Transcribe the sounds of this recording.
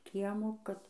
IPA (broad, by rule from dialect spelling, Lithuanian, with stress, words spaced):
ˈkʲiɛmoː kɐt